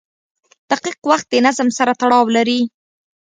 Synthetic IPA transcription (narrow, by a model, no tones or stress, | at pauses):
d̪̥aqiqwaxt̪̚d̪ənazmsaɾat̪aɽɑwlaɾi